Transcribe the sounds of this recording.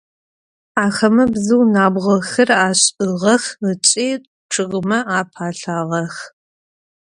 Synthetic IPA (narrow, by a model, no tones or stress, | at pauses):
aːxɐmɐbzɨwnaːbʁɐxɨraːɕʼɨʁɐxət͡ʃʼiː | ʈ͡ʂʰɨʁmɐaːpʰaːɬaːʁɐx